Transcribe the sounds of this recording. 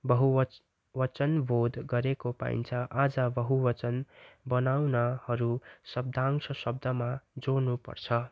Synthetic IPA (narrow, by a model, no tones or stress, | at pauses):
bʌɦu | wʌt͡sʌnbʱod̪ɡʌɾekopa̰ḭnt͡sʰʌʔad͡zʌbʌɦuwʌt͡sʌnbʌnawnʌhʌɾusʌb̚d̪ʱaŋsʌsʌb̚d̪ʌmad͡zonupʌ̰rt͡sʰʌ